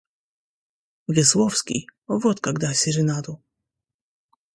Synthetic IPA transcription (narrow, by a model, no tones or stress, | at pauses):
vɪswɔfskʲḭɔvɔt̪kaɡd̪asʲiɾɘnad̪u